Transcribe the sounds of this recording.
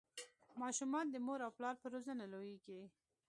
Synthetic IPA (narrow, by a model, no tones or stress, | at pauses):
mɑʃumɑnd̪əmoɾawplɑɾpəɾozənalojiɡe